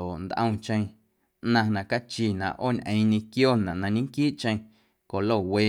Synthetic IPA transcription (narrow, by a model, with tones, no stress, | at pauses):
o˨ʔnd̪ʔə̰̃˧w̃t͡ʃə̃˧ĩ˧ | nã˧nã˨ʔka˦t͡ʃi˧˨nã̰˨ʔʔo˦˨ɲʔə̰̃˧j̃ɲĩ˧kjoː˦nã̰˨ʔnã˧ɲĩ˦ŋkiː˦ʔt͡ʃə̃˧˦ | ko˨lo˦˨weː˧